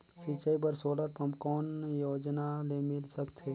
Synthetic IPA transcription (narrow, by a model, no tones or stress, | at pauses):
sit͡ʃəibəɾsoːləɾpəmkɔːnjoːd͡ʒnalemɪlsəkt̪ʰeː